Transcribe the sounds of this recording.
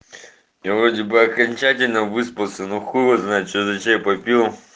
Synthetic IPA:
javɾodʲɪbɨɐkɐnʲt͡ɕætʲɪlʲnəvɨspəlˠsʲənuxuəznajɪt̪t͡ʃozɐt͡ɕejpɐpʲilˠ

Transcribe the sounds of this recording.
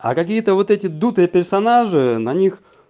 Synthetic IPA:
ɐ̰kɐkʲijət̪əvot̪ɛtʲɪd̪ut̪ɨjəpʲɪrsɐnaʐɨnɐnʲix

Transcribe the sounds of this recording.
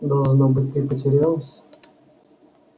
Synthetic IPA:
d̪ɐlˠʐnobɨt̚ʲt̪ipətʲɪɾʲvʲɛlˠəsʲ

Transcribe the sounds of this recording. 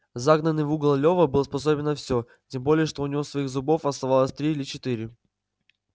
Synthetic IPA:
zaɡnənːɨvuɡlˠəlʲovəbɨlˠəspɐs̬obʲɪnəfsʲo | tʲembo̞lʲɪjəʂt̪o̞ʊnʲɪvosvɐixzʊbo̞fɐst̪ɐvalˠəsʲt̪ɾʲiːlʲɪt͡ɕɪt̪iɾʲɪ

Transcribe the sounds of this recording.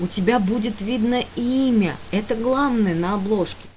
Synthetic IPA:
ʊtʲɪbʲabudʲɪt̪vʲid̪nəiimʲəɛt̪əɡlˠavnəjənəɐblˠo̞ʂkʲɪ̥

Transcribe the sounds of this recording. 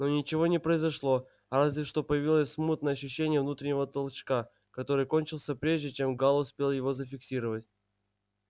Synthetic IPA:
no̞nʲɪt͡ɕɪvo̞nʲɪpɾəɪzɐʂlˠo̞ | ɾazʲvʲɪʂt̪o̞pəjɪvʲilˠəsʲsmut̪̚nəjəɐɕ̬ːʉɕːenʲɪjəvnut̪ɾʲɪnʲɪvət̪əlˠt͡ɕka | kɐt̪o̞ɾɨjko̞nʲt͡ɕɪlˠsʲəpɾʲeʐdʲɪt͡ɕemɡalˠʊspʲelˠjɪvo̞zəfʲɪksʲiɾəvətʲ

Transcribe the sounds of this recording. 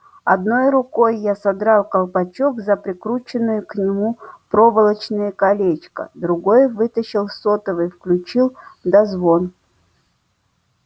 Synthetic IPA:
ɐd̪no̞jɾʊko̞jːasɐd̪ɾɑlˠkɐlˠpɐt͡ɕokzəpɾʲɪkɾut͡ɕɪnːʊjʊknʲɪmupɾovəlˠət͡ɕnɨjəkɐlʲet͡ɕkə̰d̪ɾʊɡo̞jvɨt̪əɕɪlˠsot̪əvəfklʲʉt͡ɕilˠd̪ɐzvo̞n

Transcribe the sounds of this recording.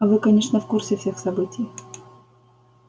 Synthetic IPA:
ɐvɨkɐnʲe̞ʂnəfkursʲɪfsʲe̞xsɐbɨtʲɪj

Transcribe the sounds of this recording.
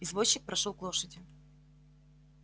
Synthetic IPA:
ɪzvoɕːɪk̚pɾʔɐʂolˠklˠo̞ʂədʲɪ

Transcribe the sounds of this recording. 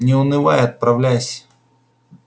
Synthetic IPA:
nʲɪʊnɨva̰jɐt̪̚pɾɐvlʲæjsʲ

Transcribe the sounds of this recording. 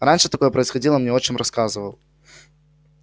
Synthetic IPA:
ɾanʲʂɨt̪ɐko̞jəpɾəɪsxɐdʲilˠəmnʲeo̞t͡ɕɪnmʲrɐskazɨvəlˠ

